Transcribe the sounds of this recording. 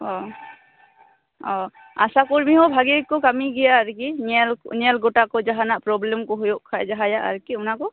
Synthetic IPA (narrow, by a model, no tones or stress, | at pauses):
ɔ | ɔ | a̰sakuɹmiɦɔbʱaɡekːɔkamiɡijaːɾkinlnɛlɡɔʈakɔd͡ʒaɦanaʔpɾɔblɛmkɔɦɔjoʔkʰajd͡ʒaɦajaʔa̰ɾkiʊnakɔ